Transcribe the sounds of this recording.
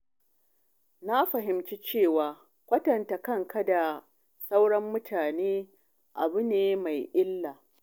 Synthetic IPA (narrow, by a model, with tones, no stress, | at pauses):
na˦ɸɐ˨ɦɪ˨mt͡ʃi˦t͡ʃeː˦˨waː˨ | kʷɐ˦tɐ˨nta˨kɐ˦˨ŋkɐ˦da˨ | sa˦wɽɐ˦mːʊ˦tʰaː˨neː˦ | ʔa̰˨bʊ˦neː˦ma˨jʔɪ˦lːaː˨